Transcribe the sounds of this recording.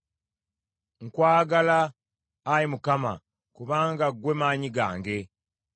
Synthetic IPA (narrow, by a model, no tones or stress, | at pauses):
ŋkwaːɡalaː | jimukama̰ | kuβaːŋɡaɡwe̞maːɲiɡa̰ːŋɡe̞